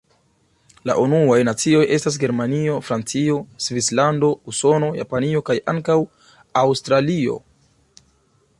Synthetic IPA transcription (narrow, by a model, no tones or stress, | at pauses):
la̰ʔunuajnat͡sio̞je̞stas̬ɡe̞ɾmanio̞fɾant͡sio̞svislando̞uso̞no̞ja̰panio̞kajʔa̰ŋkaw | awstɾalio̞̰